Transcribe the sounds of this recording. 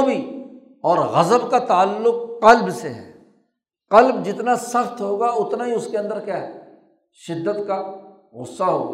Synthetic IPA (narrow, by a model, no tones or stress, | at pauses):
obʱi | ɔːɾɣɐzəbkat̪aːlːʊqːɐlbseɦɛ̰ː | qɐlbd͡ʒɪt̪nasɐxt̪ɦoːɡaʊt̪naɦiʊskeɐ̃nd̪əɾkjaːɦɛ | ʃɪd̪ːət̪ka | ɣʊ̰sːaɦo̰ːɡa̰ː